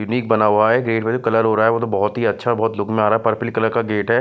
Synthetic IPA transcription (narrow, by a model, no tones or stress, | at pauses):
jʊniːk̚bɐnaaɦɛɡɾeːʈped͡ʒokɐləɾɦoːɾaaːɦɛʋot̪obɔɦɔt̪ɦiɐtːʃʰabɔɦːt̪lʊkmẽaːɾaɦɛpɐɾpʰɪlkɐləɾkaɡeːʈɦɛː